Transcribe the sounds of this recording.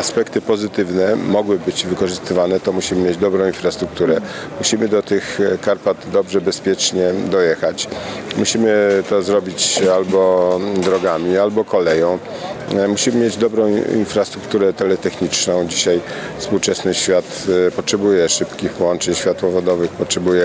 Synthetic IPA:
aspɛkt̪ɘpɔzɘt̪ɘvnɛmɔɡwɘbɘd͡ʑvɘkɔʐɘst̪ɘvanɛt̪ɔmuɕimɘmʲjed͡ʑd̪ɔbɾɔ̃w̃infɾast̪ɾuk̚t̪uɾɛ | muɕimɘd̪ɔt̪ɘxkaɾpad̪d̪ɔbʐɛbɛspʲjɛt͡ʂɲɛd̪ɔjɛxat͡ɕmuɕimɘt̪ɔzɾɔbʲit͡ɕalbɔd̪ɾɔɡamʲialbɔkɔlɛjɔ̃w̃ | muɕimɘmʲjed͡ʑd̪ɔbɾɔ̃w̃ḭnfɾast̪ɾukt̪uɾɛt̪ɛlɛt̪ɛxɲit͡ʂnɔ̃w̃d͡ʑiɕajfspuwt͡ʂɛsnɘɕfʲjat̪pɔtʂɛbujɛʂɘpkʲixpɔwɔnt͡ʂɛɲɕfʲjat̪wɔvɔd̪ɔvɘxpɔtʂɛbujɛ

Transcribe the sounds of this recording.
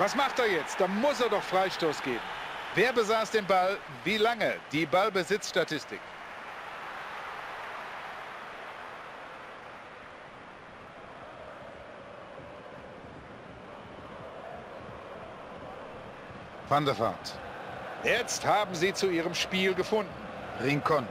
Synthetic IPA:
vasmaχteːɐjɛt͡st̚d̥aːmʊseːɐdɔχfʁ̥aɪʃtoːsɡ̥eːbm̩veːɐbəzaːsd̥eːnbal | viːlaŋəd̥iːbalbəzɪt͡sʃtatʰɪstɪk | fandɐfa̰ːt | jɛt͡sthaːbm̩ziːt͡suiːʁəmʃpiːlɡəfʊndn̩ | ʁɪŋkʰɔn

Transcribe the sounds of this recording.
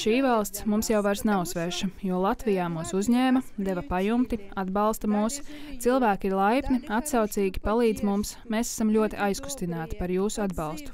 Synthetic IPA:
ʃiːvalˠst̪smumsjawvaɾsnɛusʋɛːʃɐjuɔlˠat̪vijaːmuːsuzʲɲɛːmɐd̪evɐpajumt̪iad̪bɑlˠst̪ɐmuːst̪silˠvæːkʲiiɾlˠajpʲniat̪sawt̪siːɡʲipalˠiːd̪zmumsmeːsɛ̥samlʲuɔt̪iʔajsku̥st̪inaːt̪i̥paɾjuːsuad̪bɑlˠst̪u̥

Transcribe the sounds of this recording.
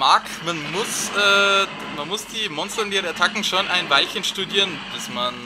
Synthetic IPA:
maːk | manmʊsʔɛː | manmʊsd̥iːmɔnstəndiːʁəaɐtʰakŋ̩ʃoːnʔaɪnvaɪlçənʃtudiːʁənb̥ɪsman

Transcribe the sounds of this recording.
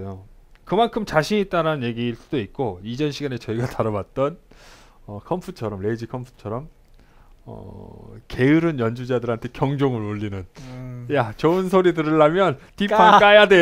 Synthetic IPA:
jo | kɯmankʰɯmt͡ɕaɕʰiɲit͈aɾanɯnje̞ɡiːɭs͈ud̥oit̚k͈oid͡ʑʌnɕʰiɡane̞t͡ɕʌiɡataɾawat̚t͈ʌn | ʌkʰʌmpʰut͡ɕʰʌɾʌmɭe̞d͡ʑikʰʌmpʰu̥t͡ɕʰʌɾʌm | ʌ̰ke̞ɯɾɯnjʌnd͡ʑud͡ʑadɯɾɦantʰe̞kjʌŋd͡ʑoŋɯɾoʎːinɯnjat͡ɕʌɯnsʰoɾidɯɾɯɭːamjʌntipʰak͈ajadwe

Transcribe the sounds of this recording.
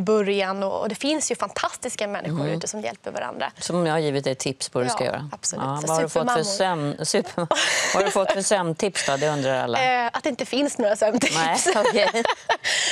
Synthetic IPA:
bœɾjanɔ̰ɔ̰d̪ɛfɪnsjɵfant̪ʰast̪ɪskamɛnːɪɧʊɾʉ̰t̪əsɔmjɛ̰lpəɾva̰ɾa̰nd̪ɾa̰sɔmjahaɾjiːvɪt̪d̪ɛjt̪ʰɪpspʰɔd̪ʉskajœ̰ːɾa̰ab̥sɔlʉːvahaɖɵfɔtfœsɛmsʉ̟ːpəhaɖɵfɔt̪ːfœsɛmt̪ʰɪpsd̪ɔd̪ɛɵnd̪ɾaɾa̰lːaʔat̪̚d̪ɛɪnt̪əfɪnsnoːɾasɛmt̪ʰɪnɛɔkʰɛj

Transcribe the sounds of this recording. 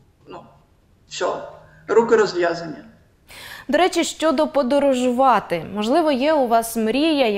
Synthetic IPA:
nu | ʃɔ | ɾukɪɾɔzʋʲjazɐnʲːɐ | d̪ɔɾɛt͡ʃʲɪʃt͡ʃɔd̪ɔpɔd̪ɔɾɔʒʊʋɑt̪ɪmɔʒlˠɪʋɔjɛʊʋɑsmɾʲijɐ

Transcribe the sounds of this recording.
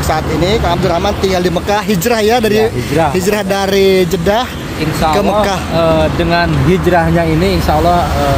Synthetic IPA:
saːt̪inikaamduɾamant̪iŋɡaldiməkahɦid͡ʒɾahjadaɾiɦid͡ʒɾahhid͡ʒɾahdaɾid͡ʒədah | insakəməkahədəŋanɦid͡ʒɾahɲainiːnʃaːlːɔhə

